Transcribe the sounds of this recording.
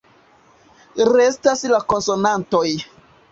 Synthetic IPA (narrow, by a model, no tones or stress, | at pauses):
ɾestaslako̞nso̞nantoj